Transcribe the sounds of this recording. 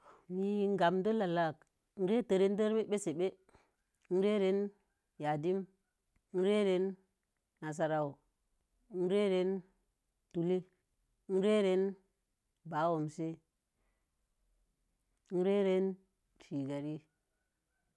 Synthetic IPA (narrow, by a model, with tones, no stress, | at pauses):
mi˦ŋ˦ɡa˨mdo˦la˨la˦˨k | n̩˦ɾe˦tə˨ɾe˦n˦də˦ɾme˦ɓe˦se˨ɓe˦ | n̩˦ɾe˦ɾe˦n | ja˨di˦m˦ | n̩˦ɾe˦ɾe˦nː | a˨s̬a˨ɾa˨u˨˦ | n̩˦ɾe˦ɾe˦n | tu˨li˦ | n̩˦ɾe˦ɾe˦n | ba˨˦wo˨mse˦ | n̩˦ɾe˦ɾe˦n | fi˨ɡa˨ɾi˦